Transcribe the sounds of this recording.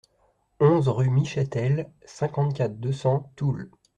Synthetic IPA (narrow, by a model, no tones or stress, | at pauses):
ɔ̃zʁymiʃɛt̪ɛlsɛ̃kɑ̃t̪kʲat̪χd̪əsɑ̃t̪ul